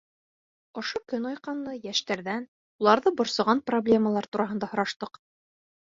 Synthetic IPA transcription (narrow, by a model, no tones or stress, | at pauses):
ŏʃokɵnɑjqɑnːˠɤjæʃt̪æɾðæn | ulˠɑɾðɤbŏɾsɤ̆ʁɑnproblʲe̞məlˠɑɾt̪uɾɑɦɤ̆nd̪ɑhŏɾɑʃt̪ɤq